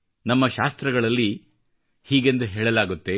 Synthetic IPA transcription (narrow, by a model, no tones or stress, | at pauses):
nɐmːɐʃaːst̪ɾɐɡɐɭɐlːi | hiːɡend̪uɦeːɭɐlaːɡut̪ːe̞